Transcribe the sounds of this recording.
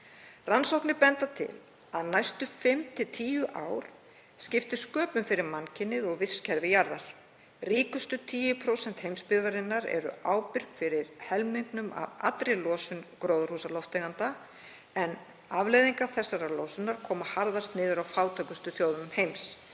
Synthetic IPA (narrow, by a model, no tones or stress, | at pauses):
ransowknɪpɛnt̪at̪ʰɪ̰l | aðnajst̪ʏfɪmt̪ʰɪlt̪ʰiːjʏʔa̰ːwɾ̥ | scɪft̪ɪ̥skœːpʏmfɪɾɪɾmancʰɪnːɪðɔɣvɪscʰɛɾvɪjaɾðaɾ̥ | riːkʏst̪ʏt̪ʰiːjʏpʰɾowsɛn̥t̪hejmspɪɾðaɾɪnːaɾɛ̰ɾʏ̰aːwpɪr̥kfɪɾɪɾhɛlmiŋknʏma̰va̰t̪ɾɪlɔːsʏnkɾowðʏɾ̥husalɔwft̪eɣant̪a | ɛn | avlejðiŋkaθɛsːaɾalowsʏnaɾ̥kʰɔːmahaɾðaɾ̥st̪nɪːðʏɾawfaːwt̪ʰœkʏst̪ʏθjowðʏmhejms